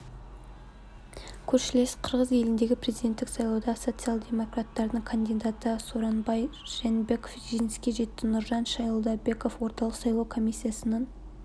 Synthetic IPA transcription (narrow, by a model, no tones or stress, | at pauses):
kʲʰɵɾʃɪle̞sqʰəɾʁəze̞lɪnd̪e̞ɡʲɪpʰɾe̞zid̪ʲe̞nt̪ːɪksɑjlˠɑwd̪ɑso̞t̪sɨjalˠd̪ʲe̞mo̞krat̪ːɑɾd̪əɴkʰand̪ijd̪ɑt̪əsoɾɑnbɑjʒ̥enbe̞ko̞fʒenɪskʲe̞ʒe̞t̪ːɪnʊɾʒɑnʃɑjəlˠd̪ɑbe̞ko̞fwo̞ɾt̪ɑlˠəqsɑjlˠɑwkʰo̞mijsʲːijasənɑn